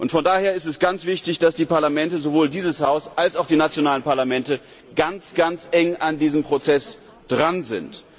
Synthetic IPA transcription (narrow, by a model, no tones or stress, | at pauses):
ʔʊntfɔndaːheːɐɪstɛsɡ̥ant͡sv̥ɪçtɪçd̥asd̥iːpaɐlamɛntəzovoːldiːzəshaʊsʔalsaʊxd̥iːnat͡sjonaːlənpaɐlamɛntə | ɡ̥ant͡sɡ̥ant͡sʔɛŋandiːzəmpʁ̥ot͡sɛs | d̥ʁanzɪ̰nt